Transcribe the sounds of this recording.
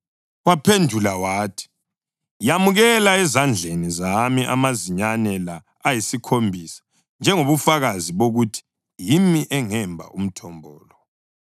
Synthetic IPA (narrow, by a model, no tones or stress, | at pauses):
wapʰendʱulawaːtʰi̥ | jamuɣɛlaɛzand͡ɮʱenizamiʔa̰maziɲanɛlaː | jisikʰombʱisḁ | nd͡ʒʱɛŋoβufaɣaziβoɣutʰi̥ | jimiʔɛŋɛmbʱa̰ʔum̩tʰɔmbʱɔːlɔ